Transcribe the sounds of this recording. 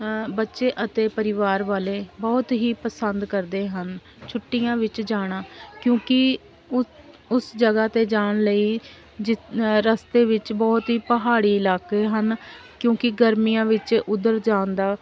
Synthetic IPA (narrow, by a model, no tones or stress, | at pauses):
bətːʃeːʔət̪eːpəɾɪʋaːɾʋaːleːbɔːt̪ɦiːpəsənd̪kəɾd̪eːɦən | t͡ʃʰʊʈːɪjãːʋɪt͡ʃd͡ʒaːɽ̃aːkjõːkɪ | ʊsd͡ʒəɡaːt̪eːd͡ʒaːɳləiː | d͡ʒɪɾəst̪eːʋɪt͡ʃbɔːt̪ɦiːpəɦaːɽiːɪlaːkeːɦənkjõːkɪɡəɾmijãːʋɪt͡ʃʊd̪əɾd͡ʒaːnd̪aː